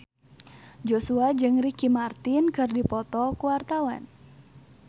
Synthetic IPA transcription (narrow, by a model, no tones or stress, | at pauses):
d͡ʒosuad͡ʒɨŋrikimart̪ɪnkɨrdipɔt̪ɔkuwart̪awa̰n